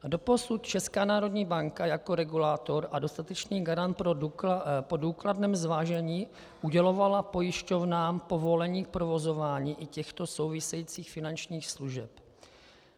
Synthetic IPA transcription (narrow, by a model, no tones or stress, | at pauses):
do̞po̞sut̪t͡ʃɛskaːnaːɾo̞dɲiːbaŋkajako̞ɾɛɡulaːt̪o̞ɾʔado̞st̪at̪ɛt͡ʃniːɡaɾant̪̚p | poduːkladnɛːmzvaːʒɛɲiː | ʔuɟɛlo̞valapo̞jɪʃco̞vnaːmpo̞vo̞lɛɲiːk̚pɾo̞vo̞zo̞vaːɲiːʔɪcɛxt̪o̞so̞wvɪsɛjiːt͡siːxfɪnant͡ʃɲiːxsluʒɛp